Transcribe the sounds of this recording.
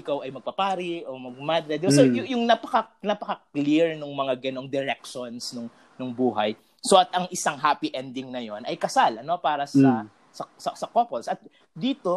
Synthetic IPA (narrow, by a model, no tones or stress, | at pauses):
ɪkawʔɐjmɐɡ̚pɐpaːɾɪʔomɐɡ̚mad̪ɾɛd̪ɪbasojʊjʊŋnɐpɐkɐnɐpɐkɐkliɹnʊŋmɐŋaɡɐno̞ŋd̪ɛɾɛk̚ʃonsnʊŋ | nʊŋbuːɦɐj | so̞ʔɐt̪ʔɐŋʔɪsaŋɦaːpɪʔɛnd̪ɪŋnɐjo̞nʔɐjkɐsalɐno̞paːɾɐsɐ | sɐsɐsɐkopolsʔɐt̪̚ | d̪iːt̪o̞